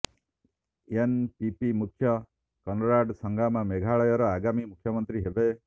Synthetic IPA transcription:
enpipimukʰjɔ | kɔnɾaɖsɔŋɡʱamameɡʱaɭɔjɔɾɔaɡamimukʰjɔmɔnt̪ɾiɦebe

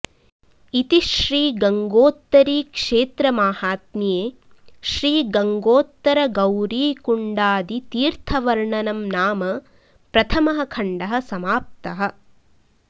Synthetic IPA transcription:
it̪iʃɾiːɡɐŋɡoːt̪ːɐɾiːkʂeːt̪ɾɐmaːhaːt̪nijeː | ʃɾiːɡɐŋɡoːt̪ːɐɾɐɡɐwɾiːkuɳɖaːd̪it̪iːɾt̪ʰɐʋɐɾɳɐnɐmnaːmɐ | pɾɐt̪ʰɐmɐɦɐ̆kʰɐɳɖɐɦɐ̆sɐmaːp̚t̪ɐɦɐ̆

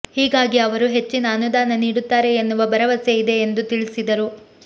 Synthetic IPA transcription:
hiːɡaːɡiɐʋɐɾuɦe̞t͡ʃːinɐːnud̪aːnɐniːɽut̪ːaːɾe̞ːnːuʋɐbɐɾɐʋɐsejid̪e̞ːnd̪ut̪iɭisid̪ɐɾu

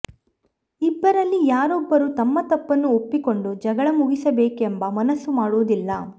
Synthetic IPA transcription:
ibːɐɾɐlːijaːɾɔbːɐɾut̪ɐmːɐt̪ɐpːɐnːuopːiko̞ɳɖud͡ʒɐɡɐɭɐmuɡisɐbeːkembɐmɐnɐsːumaːɽuːd̪ilːɐ

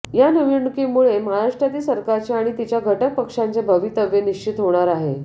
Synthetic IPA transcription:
janəʋiɳkimuɭeməɦaɾaʂʈɾjat̪iːsəɾkaɾt͡ɕeaɽ̃it̪it͡ɕjaɡʱəʈək̚pəkʂant͡ɕebʱəʋit̪əʋjeniʂt͡ɕit̪ɦoɽ̃aɾaɦe

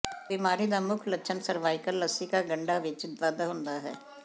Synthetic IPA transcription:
bimaːɾid̪amʊkʰlətːʃʰənsəɾʋaːɪkəlːəsikaɡəɳɖaʋɪt͡ʃzaːd̪aɦʊ̃ːnd̪aɦɛ̰ː

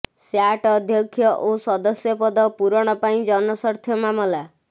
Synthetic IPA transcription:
sjaʈɔd̪ʱjɔkʰːjɔʔosɔd̪ɔsjɔpɔd̪ɔpuɾɔɽ̃ɔpaĩd͡ʒɔnɔsɔɾt̪ʰjɔmamɔla

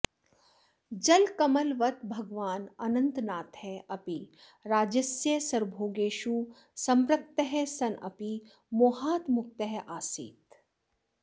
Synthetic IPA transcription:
d͡ʒɐlkɐmɐlʋɐt̪̚bʱɐɡʋaːnɐnɐ̃nt̪naːt̪ɦɛɐpi | ɾaːd͡ʒɐsjəsɐɾbʱoːɡeːʃu | sɐ̃mɾɐk̚t̪əɦɛsɐnʔɐ̰pi | moːɦaːt̪mʊk̚t̪əɦɛʔaːsḭːt̪

